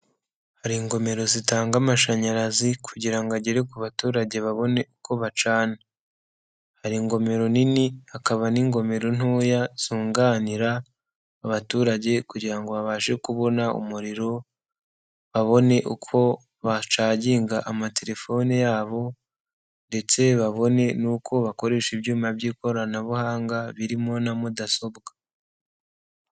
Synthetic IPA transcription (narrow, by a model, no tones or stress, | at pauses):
haɾiŋɡo̞me̞ɾo̞zitaːŋɡamaʃaɲaɾazikʰuɟiɾaŋɡaɟeɾe̞kuβatuːɾaɟe̞βaβo̞ne̞ukʰo̞βat͡ʃaːna | haɾiŋɡo̞me̞ɾo̞niniakaβaniŋɡo̞me̞ɾo̞n̥ujaz̥uːŋɡaniɾaː | βatuːɾaɟe̞kuɟiɾaŋɡo̞βaβaːʒe̞kuβo̞naṵmuɾiɾo̞ | βaβo̞ne̞ʔukʰo̞ | βat͡ʃaːɟiːŋɡaʔamate̞ɾe̞fo̞nejaːβo̞ | nde̞t͡se̞βaβo̞ne̞nukʰo̞βako̞ɾe̞ːʃibjuːmabɟiːko̞ɾanaβuhaːŋɡaβiɾimo̞namudaso̞bɡa